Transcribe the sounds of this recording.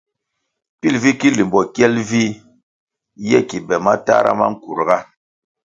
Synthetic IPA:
pi˦lvi˦ki˦li˨mbɔ˨kɛ˦lvi˦ | jɛ˦˨ki˨bɛ˨ma˦ta̰˦ɾa̰˦ma̰˦ŋ̩˦ku˨ɾɡa˦

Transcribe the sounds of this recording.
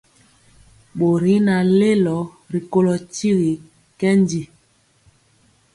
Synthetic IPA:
ɓo˨ɾi˨˦na˨le˦lɔ˨˦ | ɾi˨ko˦lɔ˨ti˦ɣi˨ | kɛ˦ndi˨

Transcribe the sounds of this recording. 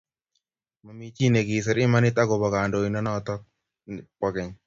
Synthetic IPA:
ma˨mi˦t͡ʃi˦˨ne˨ɡi˨s̬ɛ˨ɾɪ˦ma˦nɪ˦t̪a˦ɡɔ˨bɔ˨ɡa˨ndo˨i˨nɔ˦nɔ˦˨t̪ɔ˦ | pɔ˨kɛ˨ɲ

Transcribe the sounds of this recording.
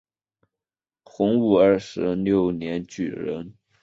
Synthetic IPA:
xʊ˧˥ŋu˨˩ə˞˥˩ʂɻ̩˧˥ljo˥˩ʊnjɛ˧˥nt͡ɕy̰˨˩ɻə̰˧˥n

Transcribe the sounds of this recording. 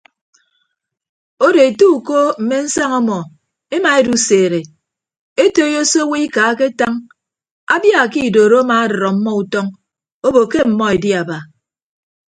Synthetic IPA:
o˦de˨e˨tu˦u˨ko˦m̩˨me˦n̩˦sa˦ŋɔ˦mɔ˨ | e˦ma˨e˦du˨seː˨ɾe˨ | e˦to˦jo˦so˦wi˦i˦ka˨˦ke˦ta˦ŋ | a̰˦bja˦˨ki˦˨doː˨ɾo˦a˦ma˨a˦dɔ˨ɾɔ˨m̩˦mːɔ˦u˨tɔ˦ŋ | o˦bo˨ke˦m̩˨mɔ˦e˨di˦a˨ba˨

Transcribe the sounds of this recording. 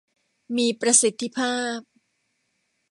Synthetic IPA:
miː˧pɾa˧si˨˦t̪ʰːi˧˦pʰaː˥˩p̚

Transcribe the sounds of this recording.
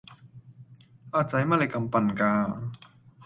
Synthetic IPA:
ʔa˧˩t͡sa˨˥jma˥˨lɛ˧˩jka˧˨mpa˧˩nkaː˧

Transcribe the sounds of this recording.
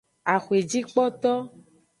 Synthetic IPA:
a˨xwe˨d͡ʒi˦k͡pɔ˦t̪ɔ˦

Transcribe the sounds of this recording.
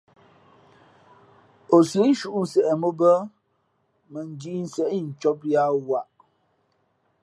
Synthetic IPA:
o˨sə˨˦n̩˦ʃu˦ʔn̩˨sɛ˨ʔɛ˨mo˦bə˦ | mə˨n˨d͡ʒi˦n̩˨sɛ˨ʔi˦˨n̩˨t͡ʃɔ˦pja˦wa˦˨ʔ

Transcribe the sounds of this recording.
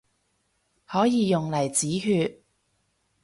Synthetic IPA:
hɔː˨˥jiː˨˧jʊ˨ŋlɐ˨˩jt͡siː˨˥ɦyː˧t̚

